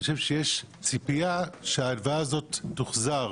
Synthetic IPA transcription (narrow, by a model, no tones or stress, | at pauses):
oʃe̞vʃejeʃ | t͡sipiaʃeaːdvaazo̞tːuχzaʁ